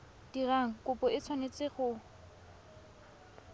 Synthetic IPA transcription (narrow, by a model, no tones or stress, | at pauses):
d̥iraŋ̩kʼʊpʼɔɪt͡sʰwanet͡sʼɪχʊ